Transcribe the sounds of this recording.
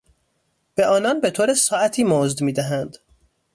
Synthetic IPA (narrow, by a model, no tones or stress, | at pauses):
b̥e̞ʔɒːnɒnbe̞t̪ʰoːɾesɒːæt̪ʰiːmozd̪miːd̪æɦænd̪